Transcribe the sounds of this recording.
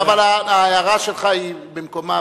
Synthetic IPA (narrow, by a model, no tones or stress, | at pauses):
avalaaːjaʁaʃelχaibemkoma